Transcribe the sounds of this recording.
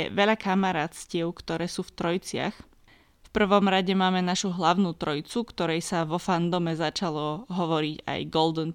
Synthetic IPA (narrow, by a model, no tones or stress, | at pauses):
ɛ̰ʋɛʎakamaɾaːt̪scɪɛʊkt̪ɔɾɛːsuːft̪ɾɔjt͡sɪa̰x | fpr̩ʋɔmɾaɟɛmaːmɛnaʃuɦlaʊnuːt̪ɾɔjt͡sukt̪ɔɾɛjsaʋɔfand̪ɔmɛzat͡ʃalɔɦɔʋɔɾiɟa̰jɡɔld̪ɔn